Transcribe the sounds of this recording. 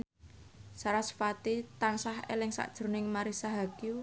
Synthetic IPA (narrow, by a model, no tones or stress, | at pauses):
saɾasə̥fat̪it̪ansaɦḛlɪŋsa̰ʔd̥ʒ̥ɾunɪŋmaɾisaɦaɡ̥ju